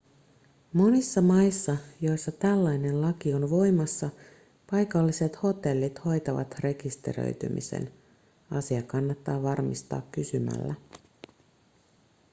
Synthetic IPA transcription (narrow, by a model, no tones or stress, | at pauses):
mo̞nisːɑmɑjsːɑjo̞jsːɑt̪ælːɑjne̞nlɑkionʋo̞jmɑsːɑ | pɑjkɑlːise̞t̪ho̞t̪e̞lːit̪ho̞jt̪ɑʋɑ̰t̪re̞kist̪e̞̰ɾø̰jt̪y̰mḭsḛn | ɑsiɑkɑnːɑt̪ːɑːʋɑrmist̪ɑ̰ːkːysymæ̰lːæ